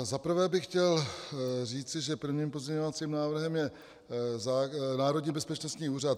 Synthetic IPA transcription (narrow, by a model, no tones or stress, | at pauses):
zapr̩vɛːbɪxxcɛl | riːt͡sɪʒɛpɾr̩vɲiːmpo̞zɲɛɲo̞vat͡siːmnaːvr̩ɦɛmjɛ | zaːnaːɾo̞d̪ɲiːbɛspɛt͡ʃnost̪ɲiːuːrat̪